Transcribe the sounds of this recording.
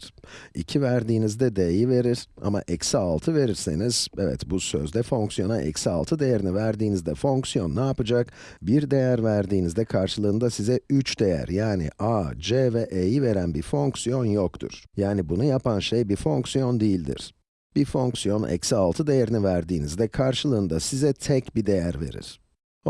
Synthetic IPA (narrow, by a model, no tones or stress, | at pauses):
ḭcʰivæɾd̪iːnizd̪ɛd̪ejive̞ɾiɾ̥a̰ma̰ʔɛcsaːlˠt̪ʰɯve̞ɾiɾse̞̰niz̥evɛ̰t̪busø̞̰zd̪ɛfo̞ŋksijo̞naʔɛ̰csa̰ːlˠt̪ʰɯd̪e̞jeɾinivæɾd̪iːnizd̪ɛfo̞ŋksijo̞nːaːpɯd͡ʒak | biɾd̪e̞jæɾvæɾd̪iːnizd̪ɛkʰaɾʃɯlˠɯːnd̪asizɛyt͡ʃd̪e̞jæ̰ɾjaːnḭʔad͡ʒevɛʔejive̞ɾænbiɾfo̞ŋksijo̞njokt̪ʰṵɾ̥jaːnibunujapʰanʃejbifo̞ŋksijo̞nd̪ijilʲd̪ḭɾ̥ | b̥ifo̞ŋksijo̞nɛ̰csalˠt̪ʰɯd̪e̞jeɾinivæɾd̪iːnizd̪ɛkʰaɾʃɯlˠɯːnd̪asizɛt̪ʰɛcbid̪e̞jæɾve̞̰ɾḭɾ̥